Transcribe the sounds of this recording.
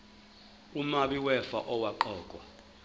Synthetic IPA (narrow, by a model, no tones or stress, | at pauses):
umaɓiwɛfa̰ʔɔwaǃɔːk̬ʼwa